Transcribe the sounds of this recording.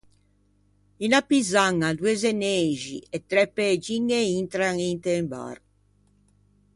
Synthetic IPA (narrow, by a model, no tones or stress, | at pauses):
inapːizaŋːad̪uezeneːʒḭɛt̪ːɾɛpːeːd͡ʒiŋːeint̪ɾaŋint̪emba̰ɾ